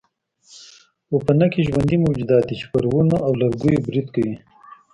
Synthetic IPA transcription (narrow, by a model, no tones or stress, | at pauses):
opɐnakiʒwɐnd̪imuwd͡ʒud̪ɑːt̪it͡ʃi̥pɐɾwunaʔawlɐɾɡujobɾid̪kɐwi